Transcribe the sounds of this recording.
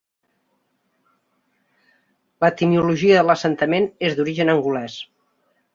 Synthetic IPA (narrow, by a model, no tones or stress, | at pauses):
lət̪imiuluʒiəðələsənt̪əmenezd̪uɾiʒənəŋɡulɛs